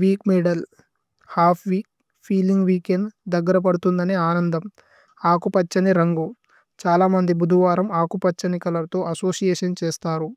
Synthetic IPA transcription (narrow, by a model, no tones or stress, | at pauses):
ʋiːkmɛːɖɐl | haːpʰʋiːk̚ | pʰiːliŋɡʋiːkenɖd̪ɐɡːɐɾɐp̬ɐɽut̪und̪ɐneːaːnɐnd̪ɐm | aːkupɐt͡ʃːɐniɾɐŋɡu | t͡ʃaːlaːmɐnd̪ibud̪ʱuʋaːɾɐmaːkupɐt͡ʃːɐnikɐlɐt̪o̞ːʔɐso̞ːsijeːʂɐnt͡ʃeːst̪aːɾu